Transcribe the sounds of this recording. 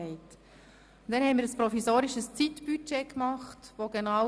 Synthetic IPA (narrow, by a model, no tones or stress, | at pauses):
ɛɪt | nd̥ɛnhɛnmiːɾəspɾɔfisoːɾɪʃəst͡sitb̥yt͡ʃekmɑχtʋoɡenəʁa